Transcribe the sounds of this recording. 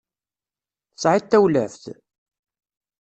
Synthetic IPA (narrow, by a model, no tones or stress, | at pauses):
θəsˤʕit̪ːæwlæ̰ft̪